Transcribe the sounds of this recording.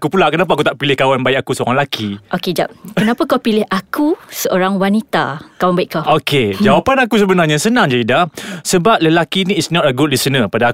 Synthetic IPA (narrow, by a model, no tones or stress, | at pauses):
akupulaʔkənap̬ak̬ut̪aʔpilɪhkawanbaik̚akusəoɾaŋlakʰiʔoked͡ʒa̰p̚kənapakawpilɪhʔakusəʔoɾaŋwanit̪a̰kawanbaiʔkaoked͡ʒawapanakus̬əbənarɲasənãŋd͡ʒadidahsəbap̚ləlakinĩːtsnɔtəɡud̚lisənəpadaː